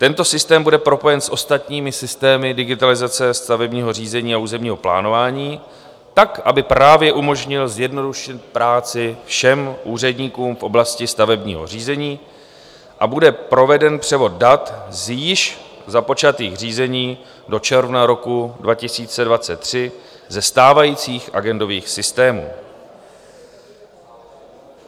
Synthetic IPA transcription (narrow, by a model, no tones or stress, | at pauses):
t̪ɛnt̪o̞sɪst̪ɛːmbudɛpɾo̞po̞jɛnsʔo̞st̪at̪ɲiːmɪsɪst̪ɛːmɪdɪɡɪt̪alɪzat͡sɛst̪avɛbɲiːɦo̞r̝iːzɛɲiːauːzɛmɲiːɦo̞pla̰ːno̞vaːɲiː | t̪akʔabɪpɾaːvjɛʔumo̞ʒɲɪlzjɛdno̞duʃɪt̪̚pɾaːt͡sɪfʃɛmʔuːr̝ɛdɲiːkuːmfʔo̞blascɪst̪avɛbɲḭːɦo̞̰r̝iːzɛɲiː | ʔabudɛpɾo̞vɛdɛnpr̝̥ɛvo̞d̚dat̪zjɪʃ | zapo̞t͡ʃat̪iːxr̝iːzɛɲiː | do̞t͡ʃɛɾvnaɾo̞kudvacɪsiːt͡sɛdvat͡sɛt̪ːr̝̥ɪ | zɛst̪aːvajiːt͡siːxʔa̰ɡɛndo̞viːxsɪst̪ɛːmṵː